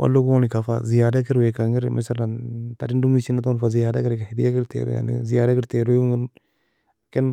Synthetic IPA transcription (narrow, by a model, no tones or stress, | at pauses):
wʔa̰lːokuonikafa̰zijaːdakɪɾwɛkaŋɪɾmʔɛ̰saɾnatadindumit͡ʃinatɔnfazijaːdakɪɾkahid̪ijakɪɾtḛːɾṵja̰nḭzijaːdakɪɾteɾujŋɪn | kɪn